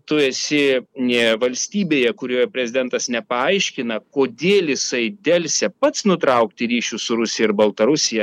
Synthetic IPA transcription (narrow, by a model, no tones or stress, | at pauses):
t̪ʊeːsʲɪ | ʋɐlʲsʲt̪ʲiːbʲeːjɛkʊɾʲoːjɛpʲɾʲɛzʲɪd̪ʲɛnt̪ɐsnʲɛpɐɐɪʃʲkʲɪnɐkoːd̪ʲeːlʲjɪsɐɪd̪ʲɛlʲsʲɛpɐt̪snʊt̪ɾɐʊkt̪ʲɪɾʲiːʃʲʊsʊɾʊsʲɪjɛɪɾbɐlˠt̪ɐɾʊsʲɪjɛ